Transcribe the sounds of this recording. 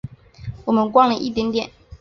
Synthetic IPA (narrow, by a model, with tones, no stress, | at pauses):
wɔ˨˩mə˨˦nkwɑ˥ŋlə˨ʔḭ˦˥t̪jɛ˧˥nt̪jɛ˨˩˦n